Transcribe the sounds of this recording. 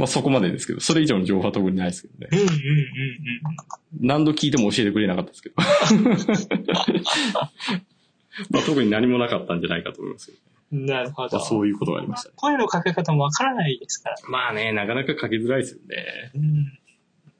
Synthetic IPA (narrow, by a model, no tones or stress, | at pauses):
maso̞ko̞mad̪e̞d̪e̞sɨ̥ke̞d̪o̞so̞ɾeiʑoːnʑo̞ːhoat̪o̞kɯ̟ɲ̟inaisɨ̥ked̪o̰ne̞̰ɯ̃ɯ̃ɴɯ̟̃ɴ̃ɴnãnd̪okʲiːt̪e̞mo̞ːɕie̞t̪ekɯɾe̞nakat̪ːad̥̪sɨ̥ke̞d̪o | mat̪o̞kɯ̟ɲ̟inaɲ̟imo̞nakat̪ːãɲ̟d͡ʑanaikat̪oːmo̰ḭmasɨjonenaɾɯ̟hod̪so̞ːjɯ̟ːko̞t̪oɡa̰ɾimasɨ̥koɾeno̞kakekat̪amoβakaɾanaid̪e̞sɨ̥kaɾamaːne̞nakanakakʰake̞zɨɾaiesɨjone̞̰ɯ̃